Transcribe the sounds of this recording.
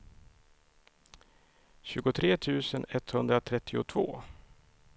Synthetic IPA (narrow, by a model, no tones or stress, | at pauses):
ɕʉ̟ːɡʊt̪ʰɾeːt̪ʰʉ̟ːsənɛt̪hɵnd̪ɾat̪ʰɾɛt̪ʰːɪʊ̰t̪ʰvo̰ː